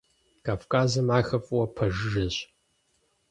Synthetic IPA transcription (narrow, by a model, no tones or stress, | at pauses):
kʰaːfkʰʼaːzɐmaːxɐfʼwɐpʰɐʒɨʒɐɕ